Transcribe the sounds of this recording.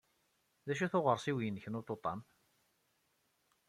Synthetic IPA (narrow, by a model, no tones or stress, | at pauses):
ðæʃ̬uθʊʁəɾˤsiwjənçənot̪ˤːot̪ˤːɑ̰m